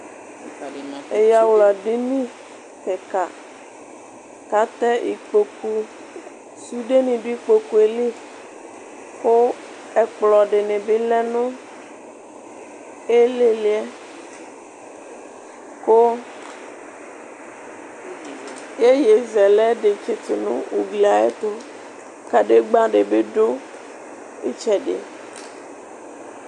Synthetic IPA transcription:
e˨ja˨wla˨ɖi˦nĩ˦ | tɛ˨ka˨ | ka˦t̪ɛ˦ʔḭ˨k͡po˨ku˦ | su˦ɖe˦nĩ˨ɖu˦i˦k͡po˨ku˦e˨li˦ | ko˦ | ɛ˨k͡plɔ˨ɖe˨nẽ˨be˦lɛ˦nõ˦ | e˦le˨le˦ɛ˦ | ko˦ | je˦je˨zɛ˨lɛ˦ɖe˨t͡ʃe˨t̪o˨nṵ̃˦wu˨ɡli˨a˨ḛ˦t̪o˦ | ka˨ɖe˦ɡ͡bã˦ɖe˨be˦ɖo˦ | ḛ˦t͡ʃɛ˨ɖḛ˨

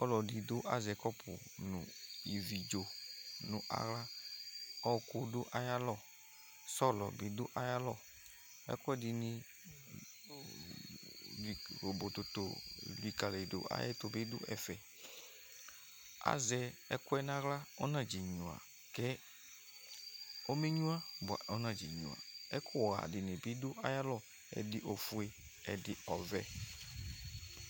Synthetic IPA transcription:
ɔ˦lɔ˨di˨do˦ʔa̰˨zɛ˨kɔ˦pṵ˨nṵ̃˨ji˨vi˨d͡ʒo˨nũ˨ʔa̰˨ɣla˦ | ɔ˦˨ko˦do˦ʔa˦ja˦lɔ˨ | sɔ˦˨lɔ̰˨bi˨do˦ʔa˦ja˦lɔ˦˨ | ɛ̰˦ku˦ɛ˦di˨nĩ˦ | i˨ɣo˨bo˨t̪o˨t̪o˨li˨ka˨le˨do̰˨ʔa̰˦jɛ̰˦t̪o˨be˦do̰˦ʔɛ̰˨fɛ˨ | a̰˨˦zɛ˨ɛ˦kʊ˦ɛ˦nã˦ɣla˦ɔ˦nã˨d͡ʒi˨ɲũ˨a̰˨ | kɛ˦ | o˦me˦ɲũ˦a˦ba˨ɔ˦nã˨d͡ʒi˨ɲṵ̃˨a̰˨ɛ˦kʰʊ˦˨ɣa̰˨dɪ˨nɪ˨bi˦dʊ˦ʔa˦ja˦lɔ˦ | ɛ̰˨dɪ˦ʔo˨fu˨e˨ | ɛ˨dɪ˨ɔ˨vɛ̰˦

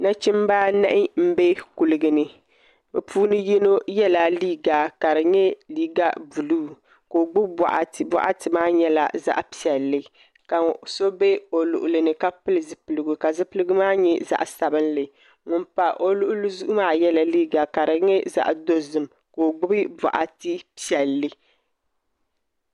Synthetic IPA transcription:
na˦t͡ʃi˦mbaː˦na˦ʔɪ˦m̩˦be˦ku˨lɨ˦ɡɨ˦nɨ˦ | bɛ˨pʰuː˦nɨ˦jɛ˦no˦jɛ˦la˨liː˦ɡa˨ka˨ɾɨ˨ɲɛ˦liː˦ɡa˦bu˨luː˦ | ko˨ɡ͡bʊ˦bba̰˨ʔa̰˨ba̰˦ʔa̰˦tɨ˨maː˦ɲɛ˦la̰˨za̰˦ʔpi˨ɛ˨lːɨ˦ | ka˨so˦be˦o˨lʊ̰˨ʔʊ˨lɨ˨nɨ˨ka˦pɨ˦lɨ˨zɨ˦pɨ˨lɨ˨ɡu˨ka˨zɨ˦pɨ˦lɨ˦ɡu˦maː˦ɲɛ˦za̰˦ʔsa˨bɨ˦nlɨ˨ | ŋʊ˨mpa˨ʔo˦lʊ˦ʔʊ˦lɨ˦zu˦ʔʊ˦maː˦jɛ˦la˨liː˦ɡa˨ka˨ɾɨ˨ŋɛ˦za̰˦ʔdo˦zɨ˨m | koː˨ɡ͡bʊ˦bɨ˦bɔ̰˨ʔa̰˨tɨ˦pi˦ɛ˨lːɨ˦

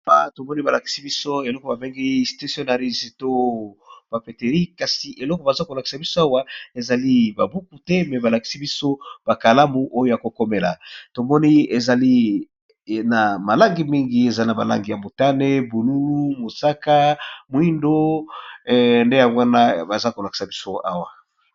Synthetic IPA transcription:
a˦to˨mɔ˦ni˦ba˨la˨ki̥˨si˦bi˦so˦e˨lɔ˦kɔ˨ba˨be˦ŋɡi˦sti˦so˦na˨ʁi˦zto˦b̥a˨pe˨te˨ʁi˦ka˨si˨ʔe˨lɔ˦kɔ˨ba˨za˦ko˨la˨ki̥˨sa˨bi˦so˦a˦wa˦e˨za˨li˦ba˨bu˦ku˨tɛ˦mɛ˨ba˨la˨ki̥˨si˦bi˦so˦b̥a˨ka˨la˦mu˨ʔo˦jo˦ja˨ko˨ko˦me˨la̰˨to˨mɔ˦ni˦e˨za˨li˦ | na˨ma˨la˦ŋɡi˨mi˦ŋɡi˦e˨za˦na˨ba˨la̰˦ŋɡi˨ja˨mo˨ta˦ne˦bu˨lu˦lu˦mo˨sa˦ka˦mwi˦ndo˦˨ | nde˦ja˨wa˦na˦ba˨za˦ko˨la˨ki̥˨sa˨bi˦so˦a̰˦wa˨

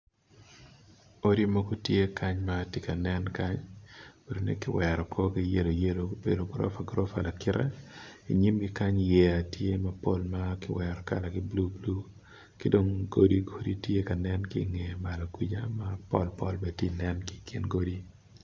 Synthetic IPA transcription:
o˦ɾi˦mo˦ɡo˦tje˦kʰa˦ɲma˨tɪ˦ka˨nɛ˦nka˦ɲwe˨ɾo˦nḛ˦kɪ˦wɛɾɔ˨kʰo˦kɪ˦je˦lo˨je˦lo˨be˨do˨ɡɾɔ̰˦fa˨ɡɾo˦fa˨la˨kɪ˦ɾa̰˦ḭ˨ɲi˦mɡɪ˦ka˦ɲjɛ˦a˨tje˦mɐ˦po˦lma˦kɪ˦wɛɾɔ˨ka̰˦la˨ɡɪ˦blu˦blu˦ | kɪ˦do˦ŋɡo˦di˦ɡo˦di˦tje˦ka˨nɛ˦nkḭ˦ŋe˨ma˨lo˨kwi˦d͡ʒa˦ma˦pɔ̰˦lpɔ˦lbe˨ti˦nɛ˦nki̥kʰi˦nɡo˦di˦

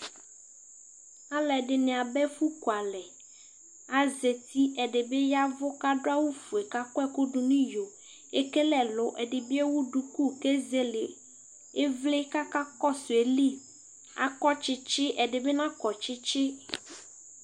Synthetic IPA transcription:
a˨lɛ˨ɖɪ˨nẽ˨a˨bɛ˦fu˦ku˨a˨lɛ˨ | a˨ze˨t̪i˦ʔɛ˨ɖe˨be˦ja˦vʊ˦ka˦ɖʊ˦a˦wu˦fu˨e˨ka˦kɔ˦ɛ˦ku˦ɖʊ˦nũ˦jo˨ | e˦ke˦lɛ˨lʊ˨ʔɛ˨ɖɪ˨bi˦e˦wu˦ɖu˨ku˦ke˦ze˦lɪ˨ | e˦vlɪ˦ka˦ka˦kɔ˦sʊ˨e˨li˦˨ | a̰˨kɔ˦t͡ʃɪ˦t͡ʃɪ˦ʔɛ˨ɖe˨be˦nã˦kɔ˨t͡ʃɪ˦t͡ʃɪ˦

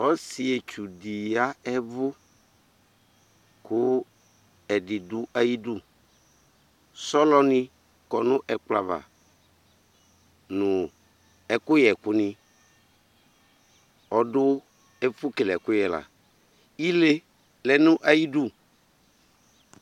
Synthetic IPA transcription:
ɔ˦si˨ɛ˨t͡ʃu˨di˨a˦ɛ˦vʊ˦ | kʊ˦ | ɛ˨dɪ˨dʊ˦ʔa˦ji˦du˦ | sɔ˦lɔ˦nɪ̃˦ | kɔ˨nʊ̃˦ʔɛ˨k͡pla˨va̰˨ | nʊ̃˨ | ɛ˨kʊ˦jɛ˨kʊ˦nɪ̃˦ | ɔ˨dʊ˦ | ɛ˦fʊ˦ke˨lɛ˨kʊ˦jɛ˨la̰˨ | i˦le˦ | lɛ˨nʊ̃˦ʔa˨ji˦du˦

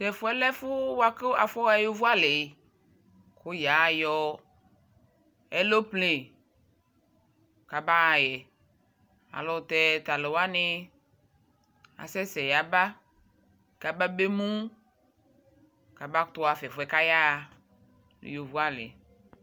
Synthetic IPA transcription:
fɛ˨fʊ˨˦ɛ˦lɛ˦fʊ˦wa˦ke˦a˨fɔ˦a˦jo˦vu˦a˦lɪ˨˦ | kʊ˦ja˨jɔ˦ | ɛ˦lo˦ple˨ | ka˨ba˦a˨jɛ˨ | a̰˨lɔ˨t̪ɛ˦t̪a˨le˨wa˦nɪ˦ | a̰˨sɛ˦sɛ˨ja˨ba˦ | ka˨ba˦be˦mũ˦ | ka˨ba˦t̪ʊ˦a˨fɛ˨fʊ˨ɛ˨˦ka˦ja˦˨ | l̰jo˨vu˦a˦lɪ̰˨

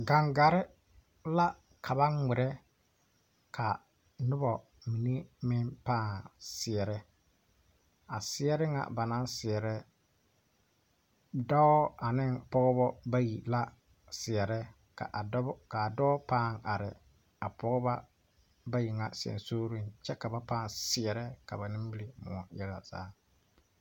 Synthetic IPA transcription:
ɡa˨ŋɡa˨ɾɪ˦ | la˦ | kʰa˨βa˦ŋŋʷɪ˨ɾɛ˦ | kʰa˨ | nʊ˦bɔ˨ | mi˨ne˦mɪ˦npaː˦˨ŋsɪ˨ɛ˨ɾɛ˦ | a˨sɪ˦ɛ˦ɾɪ˦ŋa̰˨ba˨na˦nsɪ˨ɛ˨ɾɛ˦ | dɔ˦ɔ˦a˨nɪ˦npɔ˦ɣɔ˦bɔ˦ba˦ji˨la˦ | sɪ˨ɛ˨ɾɛ˦ | ka̰˨ʔka˨dɔː˦paː˦˨ŋʔa˨ɾɪ˨ | a˨pɔ˦ɣʊ˦ba˦ | ba˦ji˨ŋa˨sɛ̰˨nsoː˦ɾi˦nt͡ʃɛ˦ka˨ba˦paː˦˨nsɪ˨ɛ˨ɾɛ˦ka˨ba˨nɪ̃˦m˦bi˦le˦mʊ̰˨ɔ˨jɛ˦la˨z̥a̰ː˦

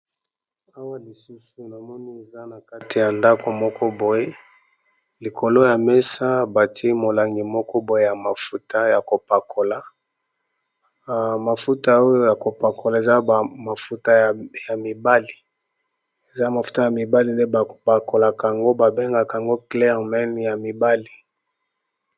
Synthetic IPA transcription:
a˦wa˦li˨su˦su˨na˨mɔ˦ni˦e˨za˦na˨ka˦ti˨ja˨nda˦kʰo˨mɔ˦kʰɔ˦bo˨je˦ | li˨kʰo˨lo˦ja˨me˦sa˦ba˨ti˦mo˨la˨ŋɡi˨mɔ˦kɔ˦bo˨je˦ja˨ma˨fu˦ta˦ja˨ko˨pa˨kʰo˨la˨ | ma˨fu˦ta˦o˦jo˦ja˨ko˨pa˨ko˨la˨e˨za˦˨ma˨fu˦ta˦˨ja˨mi˨ba˦li˨ | e˨za˦ma˨fu̥˦ta˦ja˨mi˨ba˦li˨nde˦ba˨o˨pa˨ko˨la˨ka˨ŋɡo˦ba˨be˦ŋɡa˨ka˨ŋɡo˦klɛ˦ʁmɛ˦nja˨mi˨ba˦li˨

